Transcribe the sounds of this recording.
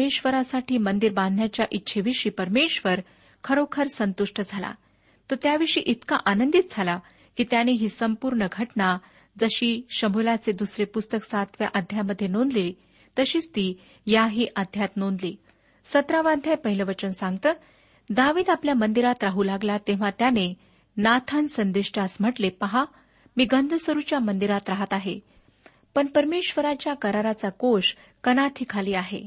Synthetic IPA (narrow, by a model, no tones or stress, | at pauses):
eɕʋəɾasaʈʰiːmənd̪iɾband̪ʱnjat͡ɕjaʔitːɕʰeʋiʂiːpəɾmeɕʋəɾ | kʰəɾokʰəɾsənt̪uʂʈəd͡zʱala̰ | t̪ot̪jaʋiʂḭːʔit̪kaʔanənd̪it̪̚d͡zʱala | kiːt̪janeɦiːsəmpuɾɳəɡʱəʈɳa | d͡zəɕiːɕəmulat͡sed̪usɾepust̪əksat̪ʋja̰ʔad̪ʱjaməd̪ʱːjenond̪li | t̪əɕiːt͡st̪iː | jaɦiːʔad̪ʱjat̪nond̪li | sət̪ɾaʋand̪ʱjajpəɦiləʋət͡ɕənsãŋɡt̪əː | d̪aʋiːd̪apljamənd̪iɾat̪ɾaɦuːlaɡlat̪eʋ̤at̪jane | nat̪ʰansənd̪iʂʈasm̤əʈlepəɦa | miːɡənd̪ʱəsəɾut͡ɕjamənd̪iɾat̪ɾaɦət̪aɦe | pəɳpəɾmeɕʋəɾat͡ɕjakəɾaɾat͡sakoʂ | kənat̪ʰiːkʰaliːaɦḛ